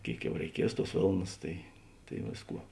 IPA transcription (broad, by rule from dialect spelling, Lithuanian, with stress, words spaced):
ˈkʲeːɪk ˈjɛʊ rʲɛɪˈkʲiɛs ˈtuɔs ˈʋʲeːlˠnɐs tɐɪ tɐɪ ˈʋʲeːsˌkuɔ